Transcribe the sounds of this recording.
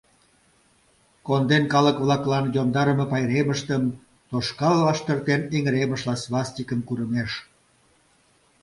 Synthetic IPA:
kond̪enkɑləkβlɑklɑnjomd̪ɑɾəməpɑjɾeməʃt̪əm | t̪oʃkɑlvɑʃt̪ərt̪eniŋəɾeməʃlɑsβlɑst̪ʲikəmkuɾəmeʃ

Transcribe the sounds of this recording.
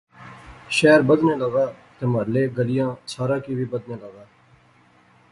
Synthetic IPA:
ʃɛːɾbəd̪nẽːləɡaːt̪eːməɾleːɡəlɪjãːsaːɾãːkiːʋiːbəd̪nẽːləɡaː

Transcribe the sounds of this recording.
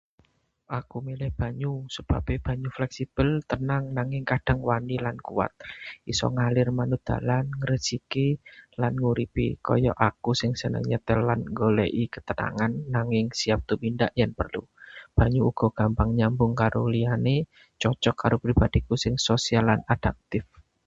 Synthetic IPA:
ʔakumilɪhb̥a̤ɲusəb̥a̤beb̥a̤ɲuflɛksib̥əlt̪ənaŋnaŋɪŋkad̥a̤ŋwanilankuwa̰t̪̚isɔ̰ŋalɪrmanʊd̪̥a̤̰lanŋəɾəsikilanŋuɾipḭkɔ̰jɔ̰ʔakusɪŋsənə̰ŋɲat̪əlanŋɡoleʔikət̪əna̰ŋanːaŋɪŋsiap̚t̪upindaʔjanpərlṵb̥a̤ɲuuɡ̥ɔ̤ɡ̥a̤mpaŋɲambʊŋkaɾoliane | t͡ʃɔt͡ʃɔkːaɾopɾib̥ad̥ikusɪŋsosialːanad̥a̤k̚t̪ɪf

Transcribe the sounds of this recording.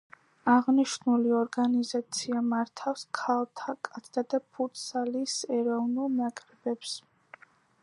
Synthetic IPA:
aʁniʃnuliɔɾɡanizat̪sʰiamaɾt̪ʰafskʰalˠt̪ʰakʼat̪ʰd̪ad̪apʰut̪salisɛɾɔvnulˠnakʼɾɛbɛps

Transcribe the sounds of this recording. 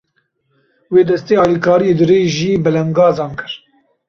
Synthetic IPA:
weːd̪ɛst̪eːɑːlikʰɑːɾijed̪ɨɾeːʒiːbɨlɛŋɡɑːzɑːnkɨɾ

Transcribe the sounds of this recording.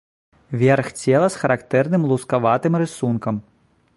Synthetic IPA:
vʲɛrxt͡sʲɛlˠɐsxɐɾakt̪ɛrnɨmlˠuskaʋat̪ɨmɾɨsunkɐm

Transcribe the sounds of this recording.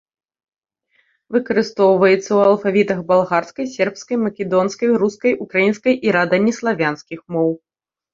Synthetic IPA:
vɨkɐɾɨst̪ɔwvɐjɛt̪sːɐwɐlˠfavʲit̪ɐɣbalˠɣarskɐjsʲɛrpskɐjmɐkʲɛd̪ɔnskɐjɾuskɐjʔukɾajinskɐjʔiɾad̪ɐnʲːislˠavʲanskʲixmɔw

